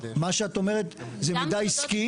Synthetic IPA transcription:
maʃeat̪omeʁet̪zemid̪ajiski

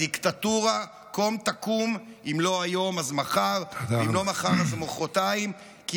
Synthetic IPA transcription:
ikt̪at̪uʁa | komt̪akum | imlo̞ajo̞mazmaχaʁimlo̞maχaʁazmoχot̪aim | ki

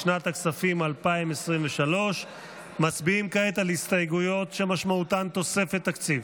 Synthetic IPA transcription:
ʃnat̪aksafimalpaimesʁimveʃalo̞ʃ | mat͡sbiimkaet̪alhist̪ajɡujo̞t̪ʃemaʃmaut̪ant̪o̞se̞fet̪ːakt͡siv

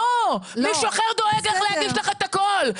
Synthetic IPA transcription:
omiʃuaχeʁd̪o̞eɡleχlehaɡiʃlaχet̪akol

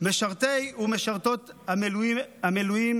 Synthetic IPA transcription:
meʃaʁt̪ejumeʃaʁt̪o̞t̪hameluihamelujim

